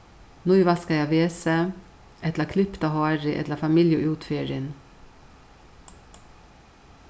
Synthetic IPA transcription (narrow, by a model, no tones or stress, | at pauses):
nʊʏʋɑskɑjɑʋeːsə | ʔɛt̪ləkʰlʏpt̪ɑhɑːɾɪʔɛ̰t̪ləfɑmɪljəʔʉːt̪fyːɾɪn